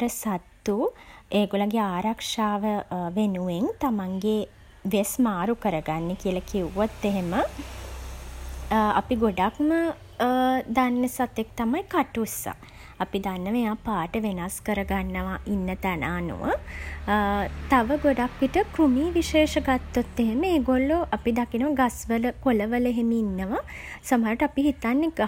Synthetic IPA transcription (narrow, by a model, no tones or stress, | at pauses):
ɾəsat̪ːueːɡolaɡeaːɾakʂaːʋəʋenuʋeŋt̪amaŋɡe | ʋesmaːɾukəɾəɡanːekiəlakiuʋot̪ːeɦemə | a̰piɡoɖakmə | d̪anːəsat̪ek̚t̪amajkaʈusa̰ː | pid̪anːəʋeaːpaːʈəʋenaskəɾəɡanːəʋaʔinːət̪ænʔaːnṵʋʔə̰ | t̪aʋəɡoɖakʋiʈəkɾumiːʋiʃeːʃəɡat̪ːot̪ːeɦeməeːɡolːoʔapid̪akinəʋəɡasʋələkoləʋələɦemiinːəʋa | sɐmɦaːɾuʈəapiɦit̪anːeɡ